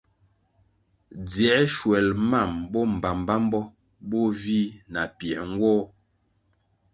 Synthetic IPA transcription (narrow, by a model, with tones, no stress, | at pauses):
d͡zjɛ˨˦ʃwɛ˨lma˦˨mbɔ˦m̩˨ba˨mba˦m˦bɔ˦ | bo˦vi˦na˨pjɛ˨ŋ˦ɡwɔː˦